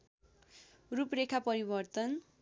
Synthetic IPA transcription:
ruprekʰapʌɾibʌrt̪ʌn

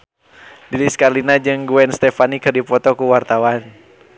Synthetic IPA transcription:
diɾiskarlinad͡ʒɨŋɡuɛnst̪ɛfanikɨrdipɔt̪ɔkuwart̪awan

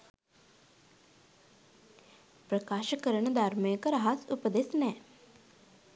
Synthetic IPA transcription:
pɾəkaːʃəkəɾəɳd̪ʱaɾməjkəɾɦasupəd̪esnɛː

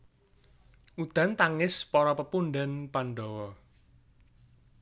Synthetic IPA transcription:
ud̪̥a̤nt̪aŋɪspɔɾɔpəpunɖɛnpanɖɔwɔ

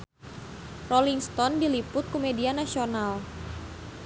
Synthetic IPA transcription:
roliŋst̪ɔndilipʊt̪̚kumedianasional

